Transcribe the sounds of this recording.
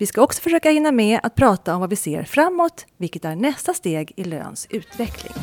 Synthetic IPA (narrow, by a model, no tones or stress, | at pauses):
vɪskaɔksɔ̥fœʂøːkahɪnːamɛa̰t̪̚pʰɾɑːt̪aɔmvavɪsḛːɾfɾamːot̪vɪlkət̪æɳɛst̪ast̪eːɡɪlø̰ːnsʉ̟ːt̪vɛkʰlɪ̰ŋ